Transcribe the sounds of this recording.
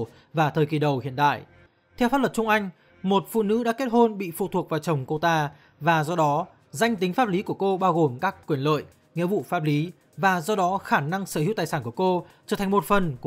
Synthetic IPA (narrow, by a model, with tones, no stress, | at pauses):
vaː˨˩t̪ʰəː˨˩ki˨˩ɗə˨˩whḭ˧˨ənɗ̪a̰ː˧˨jʔ | t̪ʰɛ˧wfaː˦˥lwə˨˩t͡ɕʊ˧ŋ͡mʔa˧jŋ̟ | mo˨˩t̚fṵ˧˨nɨ̰˧˥ɗa̰ː˧˥ke˦˥t̚ho˧nɓḭ˧˨fṵ˧˨t̪ʰu˨˩ək̚vaː˨˩wt͡ɕə˨˩wŋ͡mko˧t̪aː˧ | vaː˨˩zɔ˧ɗɔ˨˦ | za˧jŋ̟t̪ï˨˦ŋ̟faː˦˥p̚li˨˦ku˧˩əko˧ɓaː˧wɣo˨˩mkaː˦˥kːwi˨˩ənlə̰ː˧˨j | ŋḭ˧˥vṵ˧˨faː˦˥p̚li˨˦ | vaː˨˩zɔ˧ɗɔ˨˦xaː˧˩na˧ŋsəː˧˩hi˧˥˨wt̪aː˨˩jsaː˧˩ku˧˩ə˩ko˧t͡ɕəː˧˩t̪ʰa˨˩ŋ̟mo˨˩t̚fə˨˩nk